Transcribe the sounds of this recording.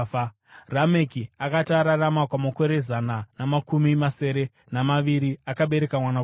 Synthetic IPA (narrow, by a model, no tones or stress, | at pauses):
rame̞kiakataɾaramakwamako̞ɾe̞zananamakumimase̞ɾe̞ | namaʋiɾiakaɓe̞ɾekamwana